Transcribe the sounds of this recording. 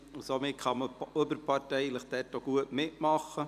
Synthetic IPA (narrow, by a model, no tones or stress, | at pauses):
usomɪt̚kʰɑməøbəɾpɑrtɛɪləχd̥ɛːtːoɡ̥uətmɪtmɑχːə